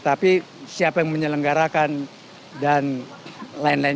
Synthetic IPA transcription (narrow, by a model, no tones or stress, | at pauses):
t̪api | siapajaŋməɲələŋɡaɾakan | dan | laɪnlaɪ